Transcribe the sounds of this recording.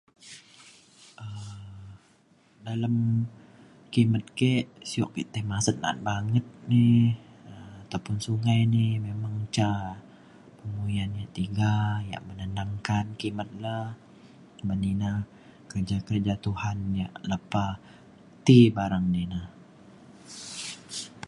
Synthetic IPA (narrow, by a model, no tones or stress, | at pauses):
ʔə | dalam | kimət̪̚keʔsiɔʔkit̪əhmasət̪̚na̰t̪̚baŋət̪̚nɪəat̪awpʊnsuŋajnɪmemaŋt͡ʃa | pəŋujanjaʔt̪iɡaja̰ʔmənəndaŋkankimət̪̚lah | bənina | kərd͡ʒakərd͡ʒat̪uhanja̰ʔləpa | t̪ibaɾaŋninah